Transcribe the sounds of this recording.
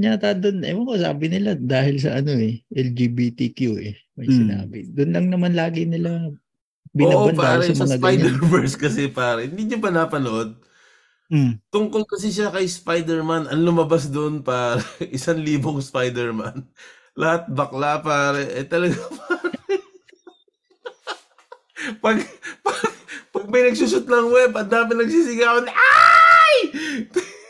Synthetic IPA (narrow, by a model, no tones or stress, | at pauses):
ɲat̪ad̪onɐ̰mɐŋosa̰ːbɪnɪlad̪aːhɪls̬ɐ̰ʔɐno̞ɛʔɛld͡ʒiːbiːt̪ik̪juʔɛ̰ | mɐjsɪna̰ːbɪd̪ʊnlɐŋnɐmanlaːɡɪnɪla | bɪnabɐnp̪aːɾɛɐsmŋɐɡajɲd̪ɛɹbɛɹskɐsɛpaːɾɛɪnd̪iɲopɐnapɐnoʔod̪̚ | t̪ʊŋkolkɐs̬ɛʃakɐjspajd̪ɛɹmanɐnlʊmɐbas̬d̪oʔnpaːɾɛʔɪsanliːboŋspajd̪ɛɹma̰n | lʔɐhat̪̚bɐklapaːɾɛʔɛt̪ɐlɐɡapʰaːɾ | pɐɡ̚pɐpɐɡ̚mɐjnɐɡ̚susʊt̪̚nɐŋwɛbɐnd̪aːmɪt̪nɐɡ̚siːsɪɡaːonʔaj